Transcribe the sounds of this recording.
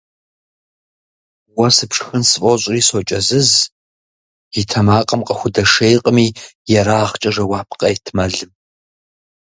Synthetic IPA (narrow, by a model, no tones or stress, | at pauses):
wɐsɨpʂxɨnsɨfʼoɕʼriːsot͡ʃʼɐzɨz | itʰɐmaːqʼɐmqʼɐxʷʊdɐʂejqʼəmiːjɛɾaːʁt͡ʃʼɐʐɐwaːpʰqʼɐjtʰmɐɮɨm